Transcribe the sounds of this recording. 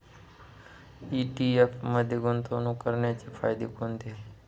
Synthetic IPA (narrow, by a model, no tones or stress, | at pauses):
iʈiefməd̪ʱjeɡʊnt̪ʰonũkəɾɳjat͡ʃifʰa̰jd̪ikond̪e